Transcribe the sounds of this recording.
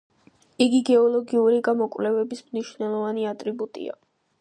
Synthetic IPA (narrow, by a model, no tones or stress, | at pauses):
iɡiɡɛɔlˠɔɡiuɾiɡamɔkʼvlɛvɛbismniʃvnɛlˠɔvaniat̪ʼɾibut̪ʼḭa̰